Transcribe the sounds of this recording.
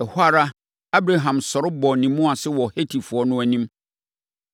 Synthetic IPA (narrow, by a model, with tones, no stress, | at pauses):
ɛ˨hʊ˦a˦ɾa˦ | a˦bɾa˨ɦã˨msɔ˨ɾʊ˦bɔ˨nĩ˨mːʊ̃˦a˨sɪ˦wɔ˨he˦tʰi˨fʊ˨ɔ˦nʊ̃˦æ˨nĩ˦m